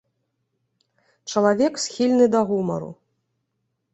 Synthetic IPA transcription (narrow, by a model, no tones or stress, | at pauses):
t͡ʂɐlˠavʲɛksʲxʲilʲnɨd̪ɐɣumɐ̰ɾṵ